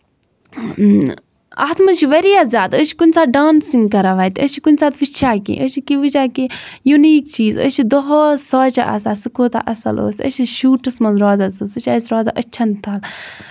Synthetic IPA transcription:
a̰ːt̪ʰmɐnt͡ʃʰiʋɐɾijaːzʲjaːd̪ət͡ʃʰi̥kunʲst͡saːɖaːnsiŋɡkɐɾaʋaːjt̪ʲət͡ʃʰikunʲt͡saːt̪ʋit͡ʃʰaːkḭ̃ʔət͡ʃʰikiʋɨt͡ʃaːkijuniːkt͡ʃiːzə̰t͡ʃʰid̪ɔɦosɔːt͡ʃa̰ʔɐ̰sasɨkoːt̪a̰ʔɐsɐ̰lo̰ːsʲə̰t͡ʃʰiʃuːʈɐsmɐnzɾɔːzɐsoːsət͡ʃʰʲɐsʲɾɔːza̰ʔɐt͡ʃʰɐnt̪ʰaːl

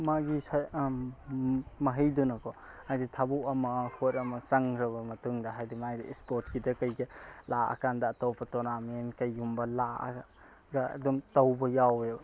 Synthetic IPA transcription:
maɡisa | mɐɦɐjdunɐkʰɔ | ajditʰabuɐmɐkʰoɾɐmɐsaŋɾɐbɐmɐtuŋdɐɦajdimajdiḛspɔt̚kidɐkajɡelaɐ̰kandɐːtɔwpʰɐtɔnamenkɐjːumbɐla̰ | ɡa̰ːdumtawbɐjawe

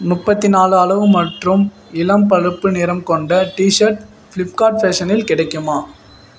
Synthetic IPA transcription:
mʊpːɐt̪ːɪnaːlɐlɐʋɯmɐʈrɯm | ɪlɐmpɐɻɯpːɯnɪɾɐmkɔɳɖɐʈiːʂɐɾʈ | fɪlɪp̚kaːʈfɛːʂɐnɪlkɪɽɐɪkːɯmaː

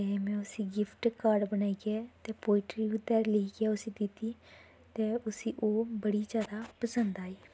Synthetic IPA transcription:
ɛmɛ̃ːʊsĩːɡɪpʰʈkaːɾɖbənaːiːɡɛːt̪eːpoːɪʈɾiːʊt̪ːɛːɾleiɡɛːʊsĩːd̪ɪt̪ːiː | t̪eːʊsĩːʔoːbəɽiːd͡ʒjaːd̪aːpəsənd̪aːiː

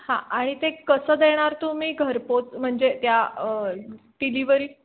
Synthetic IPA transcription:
hãaɽ̃it̪ekəsəːd̪eɽ̃aɾt̪umiːɡʱəɾpot͡s̪m̤əɳd͡ʑet̪jaəʈiliʋəɾiː

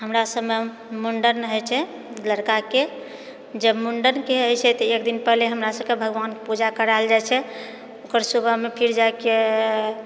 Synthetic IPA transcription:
ɦəmɾasəbme | muɳɖənɦəjt͡ʃʰɛ | ləɾkake | d͡ʒəbmuɳɖənkeəjt͡ʃʰɛt̪əekd̪inpəɦleɦəmɾasəb̚kebʱəɡʋankepud͡ʒakəɾaeld͡ʒajt͡ʃʰɛ | okəɾsubəmepʰiɾd͡ʒaeke

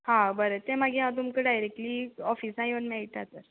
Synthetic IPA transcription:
hãbəɾət̪ẽmaɡiɦãt̪umkəɖajɾek̚ʈliːɔfiːsãjeʋənmeɭʈ̪at̪əɾ

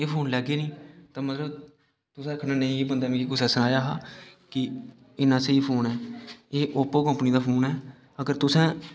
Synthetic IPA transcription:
eːpʰoːnlɛːɡeːnĩːt̪ãːmət̪ləb | t̪ʊsɛ̃ːəkʰnaːnəĩːiːbənd̪aːmẽkiːkʊsɛ̃ːsənaːjaːɦaːkɪ | ɪnãːseiːpʰoːnɛːeːʔoːpoːkəmpniːd̪aːpʰoːnɦɛː | əɡəɾt̪ʊsɛ̃ː

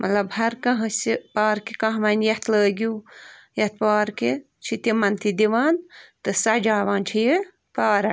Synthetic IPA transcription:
mʔɐ̰t̪lɐbhɐɾkɐɦɐ̃sipaːɾkikɐ̃ɦmɐnjɐht̪ləːɡʲuː | jɐht̪̚paːɾke | t͡ʃʰit̪imɐnt̪id̪iʋaːnt̪ɨsɐd͡ʒaːʋaːnt͡ʃʰiji | paːɾɐ̰

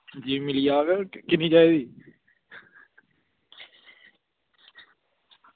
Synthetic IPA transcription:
d͡ʒiːmɪlijaːɡkɪniːt͡ʃaːiːd̪iː

